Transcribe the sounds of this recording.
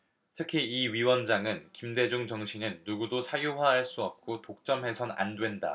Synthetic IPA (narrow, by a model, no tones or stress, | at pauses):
tʰɯkʰiiɥiwʌnd͡ʑaŋɯnkimde̞d͡ʑuŋt͡ɕʌŋɕʰinɯnːuɡudosʰajuwaɦaɭs͈uʌp̚k͈otok̚t͡ɕ͈ʌmɦe̞sʰʌna̰ndwe̞nda̰